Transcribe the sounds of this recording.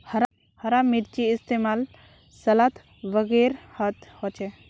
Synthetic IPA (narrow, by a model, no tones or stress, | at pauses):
hɐɾa | hɐɾamiɾt͡ʃiːst̪emal | sɐlat̪ʰ | ʋəɡeɾhɐt̪hot͡ʃe